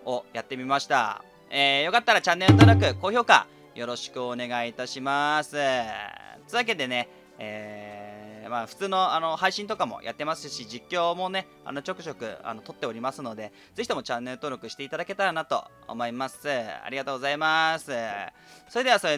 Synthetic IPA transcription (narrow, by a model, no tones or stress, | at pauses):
o̞jat̪ːe̞mʲimaɕi̥t̪a̰ | eːjo̞kat̪ːaɾat͡ɕãnːe̞ɾɯ̟t̪oːɾo̞k̬ɯ̟ko̞ːço̞ːka̰ | jo̞ɾo̞ɕi̥kɯ̟one̞ɡait̪aɕimasɨ | t͡sɨβak̬e̞d̪e̞ne̞ | eː | maɸɯ̟̥t͡sɨːno̞ano̞haiɕĩnt̪o̞kamo̞̰jʔa̰t̪ːe̞masɨɕid͡ʑikʲːo̞ːmo̞ne̞ | a̰no̞t͡ɕo̞kɯ̟̥t͡ɕo̞kɯ̟̰a̰no̞t̪o̞t̪ːe̞o̞ɾʲimasɨno̞d̪e̞ | d͡ze̞çi̥t̪o̞mo̞t͡ɕãnːe̞ɾɯ̟t̪o̞ːɾʲo̞kɯ̟ɕi̥t̪eit̪ad̪ake̞t̪aɾanat̪o̞̰ | o̰mo̞imasɨa̰ɾʲiɡat̪o̞ːɡo̞zaimasɨ | so̞ɾe̞d̪e̞aso̞ɾe